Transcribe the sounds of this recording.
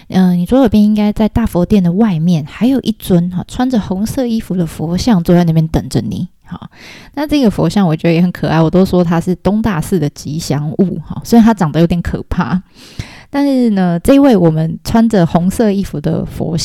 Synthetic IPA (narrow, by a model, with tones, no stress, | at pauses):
ʔə˧ni˨˩swɔ˧˥jo˨˩pjɛ˥ni˥ŋka˥ɪt͡sa˥˧ɪt̪a˥˩fɔ˧˥t̪jɛ˥˩nd̪ə˩wa˥˧ɪmjɛ˥˩nxa˧˥ɪjo˨˩ʊʔi˥˩t͡swə˦nxɑ˨˩ʈ͡ʂʰwa˥nd͡zə˨xʊ˧˦˥ŋsɤ˥˧i˥fu˧˥d̪ə˨˧fwɔ˧˥ɕjɑ˥˧ŋt͡swɔ˥˧wa˥˩ɪn˥˩mjɛ˥˧nt̪ə̰˨˩ŋʈ͡ʂə˦nḭ˨˩˦ | hɔ̰˨˩na˥˧ʈ͡ʂɤ˥˩˧ɡə˩fwɔ̰˧˥ɕjɑ˥˩ŋwɔ˨˩t͡ɕɥɛ˧˥d̪ə˧jɛ˨˩ə˨˦nkʰɤ˨˩ʔa˥˩ɪwɔ˨˩t̪o˥ʊswɔ˥t̪ʰa˥ʂɻ̩˥˩t̪ʊ˥ŋt̪a˥˧sɹ̩˥˩d̪ə˩t͡ɕi˧˥ɕjɑ˧˥ŋṵ˥˩hɔ̰˨˩sɛ˥˧˥a˥ʈ͡ʂɑ˨˩ŋd̪ə˨jo˧˥t̪jɛ˨˧nkʰɤ̰˨˩pʰa̰˥˩ | t̪a˥˧nʂɻ̩˥˩nə˧ʈ͡ʂɤ˥˧i˧˥we˥˩ɪwɔ˨˩mə˦nʈ͡ʂʰwa˥nd͡ʒə˨xʊ˧˥ŋsɤ˥˧i˥fu˧d̪ə̰˧fwɔ̰˧˥